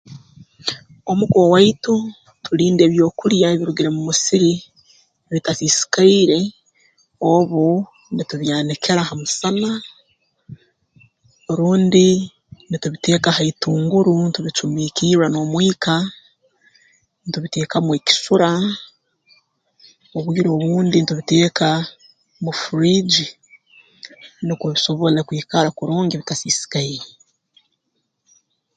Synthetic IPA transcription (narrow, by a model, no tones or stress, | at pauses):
omuɡowaitu | tuɾiːnde̞ːβjo̞ːkuɾjaeβiɾuɡiɾemumusiɾi | βitafisi̥kaiɾe̞ | oβu | nituβjaːnekʰe̞ɾahamusana | oɾuːndi | nituβite̞ːkahaituːŋɡuɾuntuβit͡ʃumiːkiːɾwano̞ːmwiːka | nituβite̞ːkamweːki̥suɾa | oβwiːɾo̞ːβuːndinituβiteːka | mufuɾid͡ʒi | nikuβiso̞βo̞lekwiːkaɾakuɾuːŋɡiβitasisi̥kaije